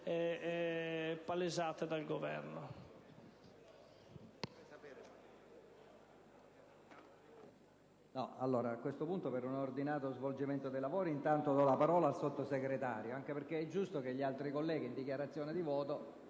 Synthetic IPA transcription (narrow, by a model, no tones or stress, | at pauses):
ɛɛpːalezat̪ed̪alɡovɛ̰ɾno | nɔalːoːɾaːkːwest̪opunt̪opeɾunord̪inaːt̪ozvold͡ʒiment̪od̪ejlavoːɾint̪ant̪od̪ɔlapaɾɔːlaːlsot̪ːoseɡɾet̪aːɾjoaŋk̟eperk̟eɛd͡ʒːust̪ok̟eʎːialt̪ɾikolːɛːɡiːnd̪ikjaɾat̪sːjɔːned̪ivɔːt̪o